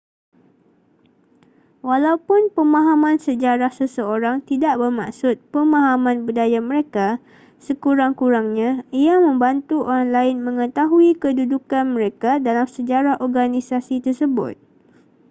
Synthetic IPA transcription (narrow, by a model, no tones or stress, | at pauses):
walaupʊnpəmãɦamãnsəd͡ʒaɾahsəsəoɾaŋt̪idaʔ̚bərmaksʊt̪̚pəmãɦamãnbudajamə̃ɾeka | səkuɾaŋkuɾaŋɲãiamə̃mbant̪uoɾaŋlaɪnmə̃ŋət̪aɦuikədudukanmə̃ɾekadalamsəd͡ʒaɾahɔrɡanĩsasit̪ərsəbʊ̰t̪̚